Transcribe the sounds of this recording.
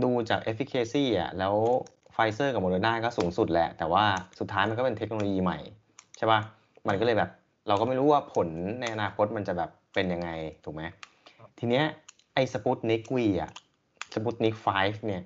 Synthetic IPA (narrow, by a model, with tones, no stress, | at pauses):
duː˧t͡ɕaː˨˩k̚ʔe˦˥fi˧˥kʰeː˧siː˥˩ʔa̰˨˩lɛː˦˥w | faː˧˥jsɤː˥˩ka˨˩moː˧doː˧naː˥˩kɔː˥˩suː˨˩˦ŋsu˨˩t̪̚lɛ˦˥ʔt̪ɛː˨˩waː˥˩su˨˩t̪ʰːaː˦˥jma˧nkɔː˥˩pe˧nt̪ʰe˦˥k̚noː˧o˧jiː˧ma̰˨˩j | t͡ɕʰa˥˩ba˦˥˩ | ma˧nkɔ˥˩ɤː˧jbɛː˨˩p̚ | ɾa˧wkɔː˥˩ma˥˩jɾuː˦˥waː˥˩pʰo˩˦nːa˧jʔa˧naː˧kʰo˦˥t̪̚ma˧nt͡ɕa˨˩bɛː˨˩pːe˧nja˧ŋːa˧jt̪ʰuː˨˩k̚ma˦˥j | t̪ʰiː˧ni˦˥ɐ | ʔa˧jsa˧pu˦˥t̪̚ni˦˥kwiː˧˩ʔa̰˨˩ʔ | sa˧pu˦˥t̪̚ni˦˥k̚faː˦˥jfni˥˩ɐ